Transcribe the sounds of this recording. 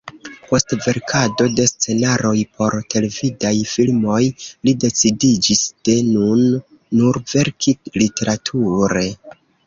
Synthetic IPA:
po̞stve̞ɾkʰado̞de̞st͡se̞naɾo̞jpo̞ɾte̞le̞vidajfilmo̞jlide̞t͡sidid͡ʒisd̥e̞nunː | uɾve̞ɾkʰilite̞ɾatʰuɾe̞

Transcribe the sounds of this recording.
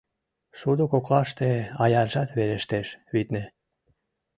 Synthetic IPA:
ʃud̪ukoklɑʃt̪eɑjɑʒɑt̪βeleʃt̪eʃβit̪ne

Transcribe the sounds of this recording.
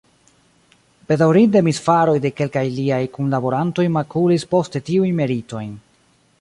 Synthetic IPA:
b̥e̞dawɾindemisfaɾo̞jde̞ke̞lkajliajkunlabo̞ɾanto̞jmakulispo̞ste̞tiujnme̞ɾito̞jn

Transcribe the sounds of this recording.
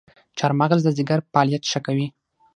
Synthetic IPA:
t͡ʃɑɾmaɣzd̪əzɪɡaɾpɑlijat̪ʃəkawi

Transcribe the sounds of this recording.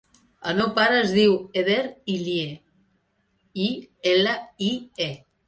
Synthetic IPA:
ənopaɾəːzðiweðeɾilje | ieləie

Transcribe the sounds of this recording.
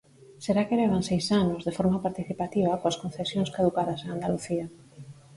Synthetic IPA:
seɾakeleβ̞ansejsanozðefoɾmapaɾt̪iθipat̪iβɐkoaskõnθesjõŋskaðukaðaseŋand̪aluθia

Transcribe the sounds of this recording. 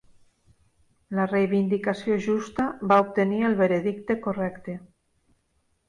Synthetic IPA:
larejβ̞ind̪ikasjoʒust̪aβaop̚t̪enielβeɾeðikt̪ekorɛkt̪e

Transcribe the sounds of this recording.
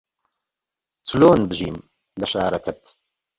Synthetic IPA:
t͡sɨloːnbɨʒiːm | lɐʃaːɾɐkʰɐt̪

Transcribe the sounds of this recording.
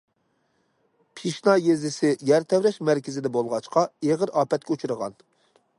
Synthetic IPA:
pʰiʃnɑjezɪsɪjæɾt̪ʰɛwɾɛʃmæɾkʲɪzɪd̪ɛbolˠʁɑt͡ʃqɑeʁəɾɑːpɛt̪̚kʲɛut͡ʃʰuɾəʁɑ̰n

